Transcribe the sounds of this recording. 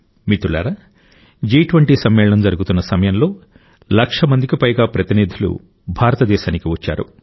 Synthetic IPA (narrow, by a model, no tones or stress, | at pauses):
mit̪uɭa̰ːɾɐ | d͡ʒiːʈʋɐɳʈiːsɐmːɛːɭɐɳɐmd͡ʒɐɾuɡut̪unːɐsɐmɐjɐmlo̞ː | lɐkʂɐmɐnd̪ʱikipɐjɡaːpɾɐt̪inid̪ʱilṵ | bʱaːɾɐt̪ɐd̪ɛːʃaːnikiʋɐt͡ʃːa̰ːɾṵ